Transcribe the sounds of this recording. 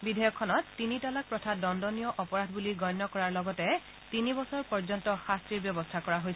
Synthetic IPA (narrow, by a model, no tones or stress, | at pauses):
bidʱɛjɔkʰːɔnɔtːinitɔlak̚pɹɔtʰadɔndɔnijɔʔɔpɔɹadʱbuliɡɔjnːɔkɔɹaɹlɔɡɔtɛ | tinibɔsɔɹpɔɹzɔntɔxastɹiɹbjɔbɔstʰakɔɹaɦojs